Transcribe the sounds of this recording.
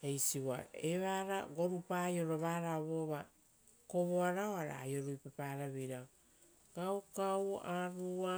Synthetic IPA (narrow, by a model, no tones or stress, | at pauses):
ejsiwa̰eβaɾaɡo̞ɾupajo̞ɾoβaːɾaβo̞βa | ko̞βoaɾaoaɾa̰ːjo̞ɾujpapaɾaβiɾa | ɡ̥awkawaɾua